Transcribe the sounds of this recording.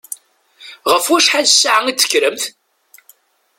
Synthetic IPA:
ʁəfwæʃħaðsːaʕəŋit͡sːə̥kːɾəmθ

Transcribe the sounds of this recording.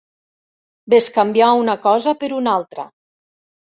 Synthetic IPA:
beskambjaunakɔzapəɾunalˠt̪ɾə̰

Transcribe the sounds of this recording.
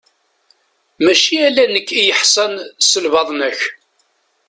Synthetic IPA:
mæʃiælænəkːijəħsɑnsəlvɑðˤnəç

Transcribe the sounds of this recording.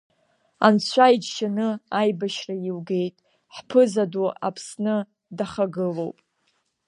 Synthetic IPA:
a̰nt͡ɕʷʰajd͡ʒʃanɨajbaʃrailɡe̞jtʼ | ħpʰɨzadua̰pʰsnɨ | daχaɡɨlo̞̰wpʼ

